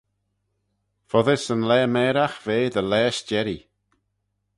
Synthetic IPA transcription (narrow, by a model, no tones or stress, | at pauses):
fɔðɪsənlɛːmɛːɾaxveːðəlɛːʃd͡ʒɛɾi